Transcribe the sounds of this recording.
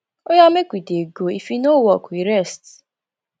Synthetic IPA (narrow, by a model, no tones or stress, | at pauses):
ojamekʷideɡoifinowɔkuiɾɛst